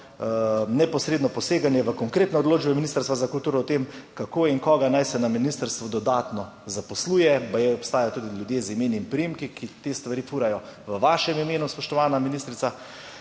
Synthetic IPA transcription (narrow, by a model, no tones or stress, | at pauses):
nɛpɔsɾed̪nɔpɔseːɡanjɛʋəkɔŋkɾeːt̪nɔːd̪loːd͡ʒbɛminist̪əɾst̪ʋazakult̪uːɾɔɔt̪emkakoiŋkɔːɡanajsɛnaminist̪əɾst̪ʋɔd̪ɔd̪aːt̪nɔ | zapɔsluːjɛbajɛɔpst̪aːjajɔt̪uːd̪iljud̪jeːzimeːnimpɾijimkikit̪est̪ʋaɾiːfuːɾajɔʋəʋaːʃɛmimeːnuspɔʃt̪ɔʋaːnaminist̪ɾit̪sa